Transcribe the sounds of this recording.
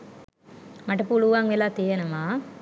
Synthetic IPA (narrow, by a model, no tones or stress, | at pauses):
maʈɐpuluʋaŋʋelaːt̪ijenɐmaː